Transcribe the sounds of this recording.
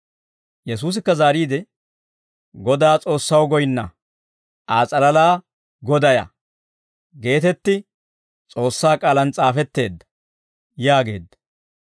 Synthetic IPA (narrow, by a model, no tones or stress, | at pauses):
jɛs̬uːs̬ɪkːɐzaːɾiːd̪ɛ | ɡɔd̪aːt͡sʼo̞ːsːɐwɡɔjɪnːɐ | ʔaːt͡sʼɐlɐlaː | ɡɔd̪ɐjɐ̰ | ɡe̞ːt̪ɛt̪ːɪ | t͡sʼo̞ːsːaːkʼaːlɐnt͡sʼaːfɛt̪ːe̞̰ːd̪ːɐ̥ | jaːɡe̞̰ːd̪ːɐ̥